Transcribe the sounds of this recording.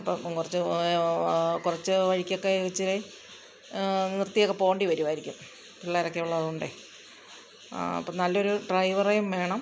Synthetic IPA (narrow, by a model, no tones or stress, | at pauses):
ɐpːomkurɐt͡ɕːɨ | kurɐt͡ɕːɨʋɐɻikʲːo̞kːeɣit͡ɕːile | nirt̪ːijokːe̞po̞ːɳɖiʋɐɾumaːjiɾikʲːum | piɭːaːiɾokːeuɭːɐðuɳɖɨ | ɐ̰pːomnɐlːo̞ɾuɖrɐjʋɐrejumʋe̞ːɳɐm